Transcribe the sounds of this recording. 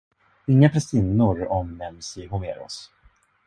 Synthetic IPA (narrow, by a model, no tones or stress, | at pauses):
ɪŋːapʰɾɛst̪iːnːʊɾɔmnɛmsɪɦʊmeːɾɔ̰s